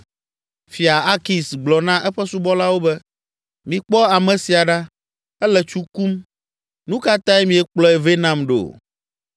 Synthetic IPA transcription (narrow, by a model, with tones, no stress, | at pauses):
fi˨a˨a˦ki˨sɡ͡blɔ˨nã˦ʔɛ˦ɸɛ˦su˦bɔ˦la˦wo˦bɛ˦ | mĩ˨k͡pɔ˦a˨mɛ̃˨si˨a˨ɖa˦ | ɛ˦lɛ˨t͡ʃu˦ku˦m | nũ˦ka˦t̪ã˦ɛ˦mĩ˨ɛ˦k͡plɔ˦ɛ˦ve˦nã˨mɖo̰˨